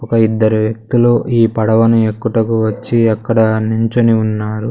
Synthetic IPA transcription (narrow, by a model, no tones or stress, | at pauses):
ukɐid̪ːɐɾuʋjɐk̚t̪uluʔiːpɐɽɐʋɐnuekːuʈɐkuʋɐt͡ʃːiɐkːɐɽɐnuɲt͡ʃoniunːaːɾu